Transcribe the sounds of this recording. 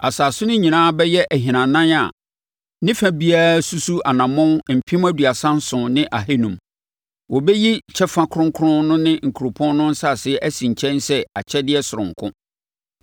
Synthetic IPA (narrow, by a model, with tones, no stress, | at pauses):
a̰˨saː˨sʊ˦nʊ̃˦ɲĩ˨nãː˦bɛ˦jɛ˦ʔæ˨ɦĩ˨nã˨nã˦na̰˨ | nɪ̃˦fæ̃˨bi˦a˦su˦su˦ʔa˨nã˨mʊ̃˦nm̩˨pʰĩ˦mæ˦du˨a˨sã˦n˦sʊ̃˨nɪ̃˦ʔa˨ɦe˦nũ˨m | wɔ˨bɛ˦ji˦t͡ɕʰɛ˦fã˦kʰɾʊ̃˦ŋ˦kʰʊ˦ɾʊ̃˦nʊ̃˦nɪ̃˦ŋ̩˨kʰu˨ɾo˨pʰɔ̃˦nnʊ̃˦n̩˦sa˨sɪ˦ʔæ˦sĩ˨ɲ˨t͡ɕʰɛ̃˦nsɛ˦a˨t͡ɕʰɛ˦dɪ˦ɛ˦sʊ˨ɾʊ̃˨ŋ̩˨kʰʊ̰̃˦